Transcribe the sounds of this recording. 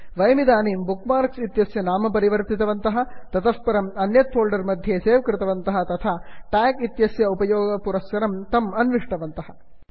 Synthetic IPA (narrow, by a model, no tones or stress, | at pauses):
ʋɐjmid̪aːniːmbukmaːɾksit̪jɐsjɐnaːmɐpɐɾiʋɐɾt̪it̪ɐʋɐnt̪ɐɦɐ̆t̪ɐt̪ɐspɐɾɐmɐnjɐt̪foːlɖɐɾmɐd̪ʱjeːseːʋɐkɾɪt̪ɐʋɐnt̪ɐɦɐt̪ɐt̪ʰaːʈaːkit̪jɐsjɐupɐjoːɡɐpuɾɐsjɐɾɐmt̪ɐmɐnʋiʂʈɐʋɐnt̪ɐɦɐ̆